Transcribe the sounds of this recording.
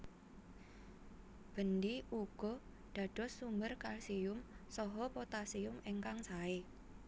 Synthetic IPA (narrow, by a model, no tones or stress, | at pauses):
b̥ə̤nd̪iuɡ̥ɔ̤ | ɖ̪̥ä̤ɖ̥ɔ̤sːumbərkalsiʊmsɔɦɔpot̪asiʊmeŋkaŋsae